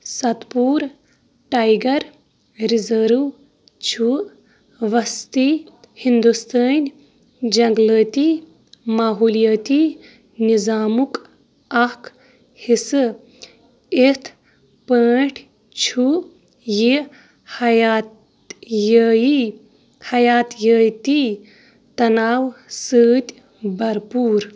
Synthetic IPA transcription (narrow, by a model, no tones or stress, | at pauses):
sɐt̪puːɾ | ʈajɡɐɾ | ɾizəɾu | t͡ʃʰu | ʋɐst̪i | hind̪ust̪əːnʲ | d͡ʒɐŋɡləːt̪iː | maːɦuːlijɐːt̪iː | nizaːmuk | ɐkʰ | hisɨ | et̪ʰ | pəːʈʰ | t͡ʃʰu | ji | hɐjat̪ | jəːji | hɐjaːt̪jəːjt̪i | t̪ɐnaːwsɨːt̪ʲ | bɐɾpuːɾ